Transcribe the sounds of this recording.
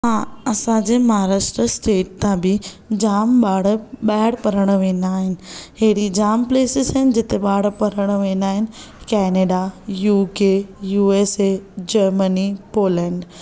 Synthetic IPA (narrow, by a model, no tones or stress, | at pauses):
ɦãːɐsãd͡ʑeːmɐɦaːɾaːʃʈɾəsʈeːʈ̚t̪ãbɪ | d͡ʑaːmɓaːɽɓaːɪɽpɐɾəɽ̃əʋẽːn̆d̪aːɦɪnɪ̆ɦeɽid͡ʑaːmpleːsɪzɐɦɪnɪ̆d͡ʑɪt̪eɓaːɽpɐɾəɽ̃əʋẽːnd̪aːɦɪnɪ̆ | kɛːneːɖajuːkejuːeːsed͡ʑɐɾmənipoːlɛ̃ːɳɖ